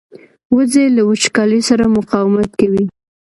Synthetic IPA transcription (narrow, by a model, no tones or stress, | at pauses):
wʊzelawʊt͡ʃkɑlisaɾamʊqɑwɪmat̪̚kawi